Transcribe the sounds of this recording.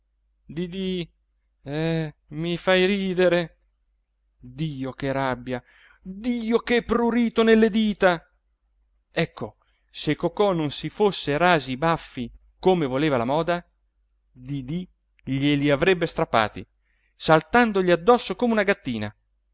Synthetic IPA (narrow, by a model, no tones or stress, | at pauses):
d̪id̪i | ɛmifajɾiːd̪eɾe | d̪iːokeɾabːja | d̪iːokeɛpːɾuɾiːt̪onelːed̪iːt̪a | ɛkʰːo | sekːokɔnonsifosːeɾaːzibafːi | komevoleːvalamɔːd̪a | d̪id̪i | ʎeliavɾɛbːest̪ɾapːa̰ːt̪ḭ | salt̪and̪oʎiad̪ːɔsːokoːmeunaɡat̪ːiːna̰